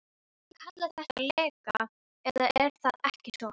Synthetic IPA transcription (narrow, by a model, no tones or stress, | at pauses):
kʰat̪lḁθɛht̪ːalɛːka | ɛðaɛɾ̥θaðɛhcɪsɔ